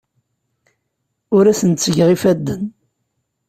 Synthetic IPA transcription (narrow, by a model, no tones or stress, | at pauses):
ʊɾæsənt̪t͡sːəʝʁifæd̪ːən